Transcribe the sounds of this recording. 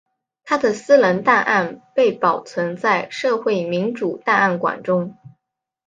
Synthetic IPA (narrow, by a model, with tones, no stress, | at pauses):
t̪ʰa˥d̪ə˨sɹ̩˥lə˧˥nt̪a˥˧nʔa˥˧npe˥˩ɪpɑ˨˩ʊt͡sʰwə˧˥nt͡sa˥˧ɪʂɤ˥˧xwe˥˩ɪmi˧˥nʈ͡ʂu˨˩t̪a˥˧a˥˩nkwa̰˨˩nʈ͡ʂʊ˥ŋ